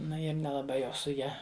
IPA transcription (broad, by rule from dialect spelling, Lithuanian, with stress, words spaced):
ˈnʊ ɪr nʲɛlˠɐˈbɐɪ jɛʊ sʊ ˈjɛ